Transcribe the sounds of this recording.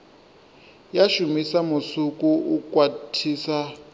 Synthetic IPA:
jaʃumisamusukuukʼwatʰiːsa

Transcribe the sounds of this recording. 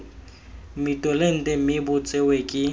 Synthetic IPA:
mɪtʼɔlen̩tʼɛmɪbʊt͡sʼɛwekʼɪ

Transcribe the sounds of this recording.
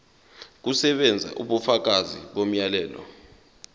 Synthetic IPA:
k̬usɛɓɛnd͡zʱa̰ʔṵɓufak̬aziɓom̩jalɛːlɔ̰

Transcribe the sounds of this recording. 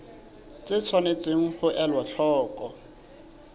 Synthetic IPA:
t͡sɪt͡sʰwanet͡sʼeŋ̩χʊʔalwaɬʰɔːkʼɔ

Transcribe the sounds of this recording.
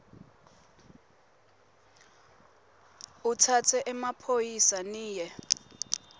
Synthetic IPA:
utʰatʰɛʔɛmapʰojisaniːjɛ

